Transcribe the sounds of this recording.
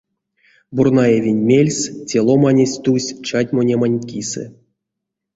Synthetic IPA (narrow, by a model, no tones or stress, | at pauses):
burnajevʲenʲmʲelʲsʲtʲelˠomanʲesʲt̪usʲt͡ʃatʲmonʲemanʲkʲisɨ̰